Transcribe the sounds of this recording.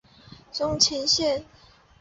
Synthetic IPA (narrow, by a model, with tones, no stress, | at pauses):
ʈ͡ʂʊ˥ŋt͡ɕʰɛ˧˥nɕjɛ˥˨n